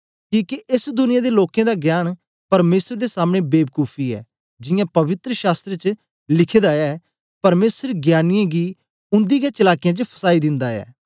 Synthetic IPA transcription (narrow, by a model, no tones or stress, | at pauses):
kiːkiʔɪsd̪ʊnɪjãːd̪eloːkẽːd̪aːɡjaːñ | pɐɾmeːsəɾd̪esaːmɽ̃ebeːb̚kuːpʰiɛ̰ː | d͡ʒɪjãːpɐʋɪt̪ɾəʃaːst̪ɾet͡ʃə | lɪkʰeːd̪aɛː | pɐɾmeːsəɾɡjaːnɪjãɡiː | ʊ̃nd̪iːɡet͡ʃɐlaːkɪjãːt͡ʃəpʰɐ̥saːid̪ɪ̃nd̪aɛ̰ː